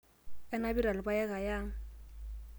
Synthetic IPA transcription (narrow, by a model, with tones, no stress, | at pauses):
ɛ˦na˦bi˦ɾa˨lɪ˨ba˦jɛ˦ka˨ja˦